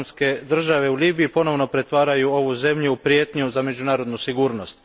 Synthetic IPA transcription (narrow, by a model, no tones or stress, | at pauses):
mske̞d̪r̩ʒaʋe̞uliːbiipo̞no̞ʋno̞pɾe̞t̪ʋaːɾajuo̞ʋuze̞mʎuupɾije̞ːt̪ɲuzame̞d͡ʑunaːɾo̞d̪nusiɡuːɾno̞st̪